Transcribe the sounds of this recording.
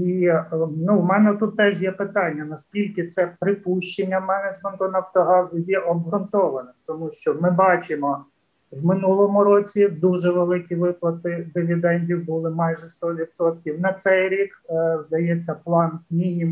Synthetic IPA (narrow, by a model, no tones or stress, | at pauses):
inuwmɛnɛt̪ut̪ːɛʒjɛpɪt̪ɑnʲːɐnɐskʲilʲkɪt̪sɛpɾɪpuʃt͡ʃenʲːɐmɛned͡ʒment̪ʊnɐwt̪ɔɦɑzʊjɛʔɔbɦɾʊnt̪ɔʋɐnɪt̪ɔmuʃt͡ʃɔmɪbɑt͡ʃɪmɔ | wmɪnulˠɔmʊɾɔt͡sʲid̪uʒɛʋelˠɪkʲiʋɪplˠɐt̪ɪd̪ɪʋʲid̪ɛnʲdʲiwbʊlˠɪmɑjʒɛst̪ɔʋʲit̪sɔt̪̚kʲiwnɐt̪sɛjɾʲikzd̪ɐjɛt͡sʲːɐplˠɑnmʲinʲim